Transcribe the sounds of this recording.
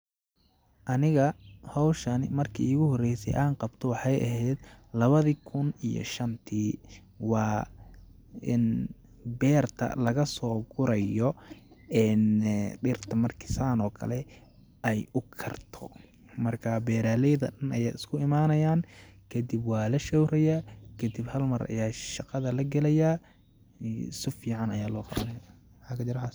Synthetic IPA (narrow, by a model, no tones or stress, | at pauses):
ʔɐnɪɣɐhɔwʃɐnɪ̰mɐrkʰḭːɪɣʊɦɔrɛjsɛ̰jʔaːnqɑbt̪ʰɔwɑħɑjʔɐ̰ɦɛːd̪lɐβɐðiːkʰʊnijɔ̰ʃɐnt̪ʰiː | wɑː | ɪn | bɛːrt̪ʰɐ̰lɐɣɐsɔːɡʊɾɐjɔɛnɖɪrt̪ʰɐmɐrkʰɪ̥saːnɔːkʰɐ̰lɛ | ɛjʊkʰɐ̰rt̪ʰɔ̰ | mɐrkʰabɛːɾaːlɛjðɐɗɐnɐjaːɪskʰʊɪmaːnɐjaːnkʰɐd̪ibwɑːlɐʃɔwɾɐjakʰɐd̪ibhɐlmɐɾɐ̰jaːʃɑqɑðɐlɐɡɐlɛja | sɪfiːʕɑnɐjaːlɔːqɑβɐnɐja | ħakʰɐt͡ʃɐɾɐħas